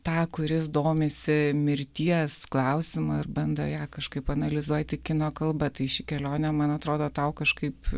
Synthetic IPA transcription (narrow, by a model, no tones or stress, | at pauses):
t̪ɑːkʊɾʲɪsd̪oːmʲesʲɪmʲɪɾʲt̪ʲiɛsklˠɐʊsʲɪmɐɪrbɐnd̪ɐjɑːkɐʃkɐɪpɐnɐlʲɪzuɔjt̪ʲɪkʲɪnoːkɐlˠbɐt̪ɐɪʃʲɪkʲɛlʲoːnʲɛmɐnɐt̪ɾoːd̪oːt̪ɐʊkɐʃkɐɪp